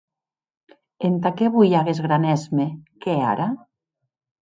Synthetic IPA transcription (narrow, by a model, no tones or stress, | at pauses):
ent̪akeβujaɣezɣɾanɛzmekea̰ɾa